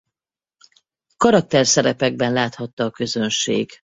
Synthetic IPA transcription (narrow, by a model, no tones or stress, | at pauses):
kɒɾɒk̚t̪ɛrsɛɾɛpɛɡ̚bɛnlaːt̪hɒt̪ːɒːkø̞zø̞nʃḛːɡ̥